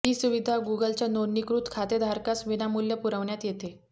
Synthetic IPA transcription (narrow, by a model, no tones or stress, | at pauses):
ɦiːsuʋid̪ʱaɡuɡəlt͡ɕjanonːikɾut̪kʰat̪ed̪ʱaɾkasʋinamuljəpuɾəʋɳjat̪jet̪e